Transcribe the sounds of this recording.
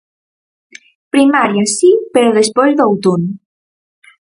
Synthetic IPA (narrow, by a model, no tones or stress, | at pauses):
pɾimaɾjasipeɾoðespojzðowt̪un